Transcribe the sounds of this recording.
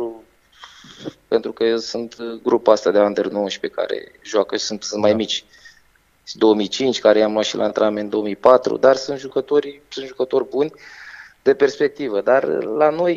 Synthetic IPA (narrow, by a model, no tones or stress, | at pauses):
pe̞nt̪ɾukəjewsunt̪ɡɾupast̪ad̪eand̪ernoʃi̥pe̞ka̰ɾḛ | ʒoakəsunt̪sɨnt̪majmit͡ʃʲ | d̪o̞omijt͡ʃint͡ʃʲkaɾejamlwat̪ʃilʔa̰nt̪ɾeamend̪o̞omijpat̪ɾṵd̪arsunt̪ʒukət̪o̞rʲsunt̪ʒukət̪o̞rʲbunʲd̪̥e̞pe̞rspe̞k̚t̪ivəd̪arlano̞j